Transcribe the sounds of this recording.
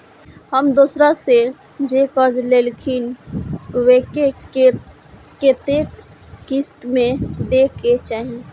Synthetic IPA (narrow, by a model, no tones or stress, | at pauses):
həmd̪uːsɾase | d͡ʒeːkəɾd͡ʒleːlkʰin | weːke | ket̪eːkː | ist̪mẽd̪ekʰet͡ʃaːɦeẽ